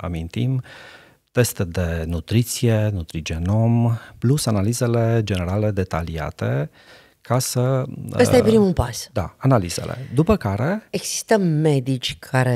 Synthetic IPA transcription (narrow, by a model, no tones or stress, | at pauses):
a̰mint̪im | t̪e̞st̪d̪e̞nut̪ɾit̪sije̞nut̪ɾid͡ʒe̞no̞mplusanalize̞le̞d͡ʒe̞ne̞ɾale̞d̪e̞t̪a̰lia̰t̪e̞ | kʰasəəsajepɾimupasd̪a̰analiz̥ḛlʔḛd̪upəkaɾe̞eɡsi̥st̪əmːe̞d̪it͡ʃʲkʰaɾe